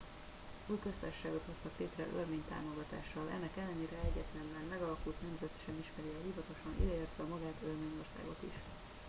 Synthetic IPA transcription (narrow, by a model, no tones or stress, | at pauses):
yːlkøst̪a̰ʃːaːɡot̪ho̞st̪ɒkleːt̪rɛ̰ʔørmeːɲt̪a̰ːmo̞ɡɒt̪a̰ːʃːɒlʔɛ̰nːɛkɛlːɛneːɾɛɛɟːɛt̪lɛnlɛnmɛɡɒlɒkult̪nɛmzɛt̪ʃɛmiʃmɛɾiɒɦivɒt̪o̞ʃɒnḭd̪ɛeːrt̪ʋɛɒmɒɡaːt̪ørmeːɲo̞rsa̰ːɡo̞t̪iʃ